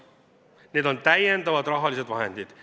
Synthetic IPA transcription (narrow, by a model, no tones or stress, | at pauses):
ne̞ːd̪o̞nt̪æjent̪ɑvɑt̪rɑɦɑlise̞d̪vɑɦe̞̰nd̪̥id̪̥